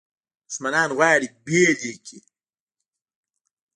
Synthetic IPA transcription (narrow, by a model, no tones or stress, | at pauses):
dusmanaːnɣwaːɾibeːliki